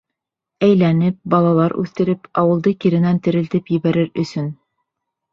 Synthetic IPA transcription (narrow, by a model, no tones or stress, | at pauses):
æjlænɘp̚bɑlˠɑlˠɑɾʉ̰θt̪ɘ̆ɾɘpɑwɤ̆lˠd̪ɤkiɾɘ̆nænt̪ɘ̆ɾɘ̆lt̪ɘpjɘ̆βæɾɘɾɵ̆sɵn